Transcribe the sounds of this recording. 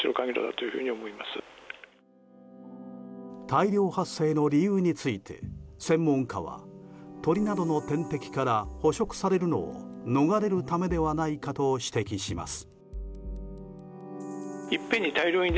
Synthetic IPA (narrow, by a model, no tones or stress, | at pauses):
iɾokãŋɡʲiɾo̰d̪a̰t̪o̞jɯ̟ɸɯ̟ɲ̟iomo̞imasɨ | t̪aiɾʲo̞ːhasːe̞ːno̞ɾʲijɯːɲ̟it͡sɨit̪ʰe̞̰sẽ̞mːõ̞ŋkaβa̰t̪o̞ɾʲinad̪o̞no̞t̪ẽ̞nt̪e̞kʲi̥kaɾaho̞ɕo̞kɯ̟̥saɾe̞ɾɯ̟no̞̰ːno̞ɡaɾe̞ɾɯ̟t̪ame̞d̪e̞βanaikat̪o̞ɕi̥t̪e̞kʲiɕima̰sɨ̥ | ipːẽ̞ɲ̟ːit̪aiɾʲo̞ːĩnd̪